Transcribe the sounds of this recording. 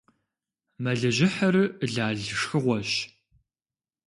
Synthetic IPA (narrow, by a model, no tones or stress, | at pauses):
mɐɮɐʒɪħɐrɨɮaːɮʂxɨʁʷɔɕ